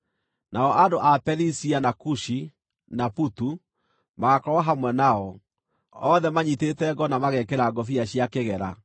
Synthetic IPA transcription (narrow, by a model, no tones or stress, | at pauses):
naɔʔadoʔapɛɾisianakuʃi | naputu | maɣakɔwaɦamwɛnaɔ | ɔðɛmaɲitetɛɡɔnamaɣɛkeɾaɡɔfiaɕiakeɣɛɾa